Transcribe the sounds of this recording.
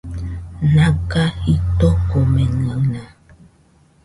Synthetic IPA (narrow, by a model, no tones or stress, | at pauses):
nãkahit̪okomẽnə̃nã